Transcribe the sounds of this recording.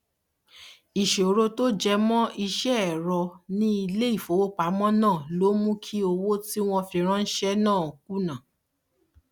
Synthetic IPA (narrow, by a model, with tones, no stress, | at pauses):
i˨ʃe˨ɾo˧to˦d͡ʒɛ˧mɔ̃˦i˧ʃɛ˦˨ɾɔ˧nĩ˦i˧le˦i˦˨fo˨˦wo˦k͡pa˨˦mɔ̃˦nãː˦˨lo˦mũ˦kʰi˦o˧wo˦ti˦w̃ɔ̃˧fĩ˧ɾ̃ã˦˧n̩˦ʃɛ˦nãː˦˨o˨k̚u˦nã˨